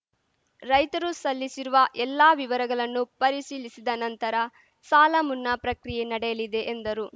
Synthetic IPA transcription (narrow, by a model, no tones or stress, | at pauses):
ɾɐjt̪ɐɾusɐlːisiɾuʋɐʔɛlːaːʋiʋɐɾɐɡɐɭɐnːupɐɾisiːlisid̪ɐnɐnt̪ɐɾɐ | saːlɐmunːɐpɾɐkɾijenɐɽɛjɐlid̪e̞ʔːnd̪ɐɾu